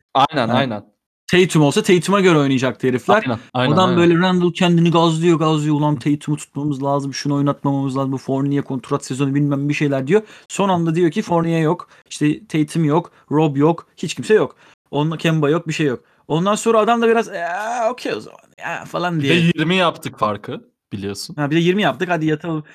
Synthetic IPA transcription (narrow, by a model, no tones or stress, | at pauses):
ajnænajnæn | t̪ʰejit̪ʰimo̞lˠsat̪ʰe̞jit̪ʰimaɟø̞ɾɛo̞jnuijad͡ʒak̚t̪ʰeɾiflʲæɾnaad̪ambø̞jlʲɛɾænd̪ɯlˠcʰænd̪iniɡazlˠijo̞ɡazlˠɯjoulˠamt̪ʰejit̪ʰimit̪ʰu̥t̪̚mamɯzlʲˠaːzɯmʃuno̞jnˠat̪mamamɯzˠaːzɯmfo̞ɾnijakʰo̞nt̪ʰɾoat̪sezo̞nubilʲmæmbiʃe̞jlʲæɾd̪ijoso̞nand̪ad̪ijo̞cʰifo̞ɾnijajok | iʃt̪ʰɛt̪ʰe̞jit̪ʰimjo̞k | ɾobjo̞khit͡ʃcʰimsɛjo̞k | o̞nacʰɛmbajo̞k̚biʃe̞jːo̞k | o̞nd̪anso̞nɾaːd̪amd̪abiɾazɛocʰejo̰za̰ma̰nja̰falˠand̪ijɛjiɾmijapt̪ʰɯkfaɾkʰɯ | b̥ilʲijo̞sunhabid̪ɛjiɾmijap̚t̪ʰɯkhad̪ijat̪ʰalˠɯm